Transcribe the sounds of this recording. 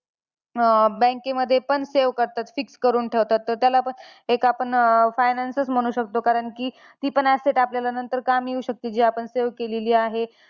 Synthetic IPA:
bɛ̃ŋkeməd̪ʱːjepəɳseʋkəɾt̪at̪fikskəɾuːnʈʰeʋt̪at̪ːəɾt̪jalapəɳekapəɳfajnansəsm̤əɽ̃uːɕək̚t̪okaɾəɳkiː | t̪iːpəɳæseʈapljalanənt̪əɾkamjiuːɕək̚t̪iːd͡ʑiapəɳseʋkeleliːaɦe

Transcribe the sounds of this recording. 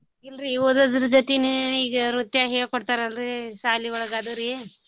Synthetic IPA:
ilɾioːd̪ad̪ɾud͡ʒɐt̪eneiːɡɐɾut̪jaɦeːɭkɔɽt̪aːɾɐlɾisaːliʋɐɭɐɡaːd̪uɾi

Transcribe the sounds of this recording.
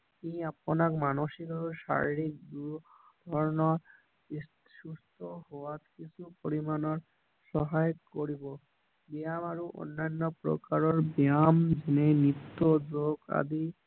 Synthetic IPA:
kiapɔnakmanoʃikauʃa̰ɾiɾik̚d̪u | d̪̥ʱɔɾɔnɔ | is | ʃust̪ʰohowatkit͡ɕʰupoɾimanɔɾ | ʃɔɦajkoɾibo | bijamaɾuʔo̰nːanːɔpɾo̰kaɾɔɾbiamd͡ʒenenit̪ːod͡ʒoɡa̰d̪i

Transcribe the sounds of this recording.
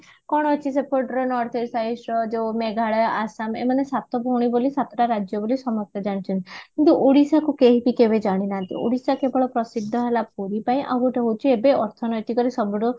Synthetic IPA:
kɔɽ̃ɔɦɔt͡ʃʰis̬epoʈɔɾɔnɔɾt̪ʰesaisɾɔd͡ʒewmeɡʱaɭɔjɔʔasamḛmanesat̪ɔbʱɔuɽ̃ibolisat̪ɔʈaɾad͡ʒjɔbolisɔmɔk̚t̪ʰɔd͡ʒaɽ̃it͡ʃʰɔnt̪ikint̪uʔoɽisakukeɦipikebed͡ʒaɽ̃inaɦnt̪ḭo̰ɽisakebɔɭɔpɾɔsid̪ʱːɔɦelap̚uɾipaĩʔa̰buʈaɦowt͡ʃʰiebeɔɾt̪ʰɔnɔjt̪ikɔɾisɔbɔɽu

